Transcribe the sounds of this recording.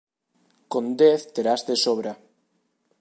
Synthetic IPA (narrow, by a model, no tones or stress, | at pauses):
kond̪eθt̪eɾazd̪esoβɾa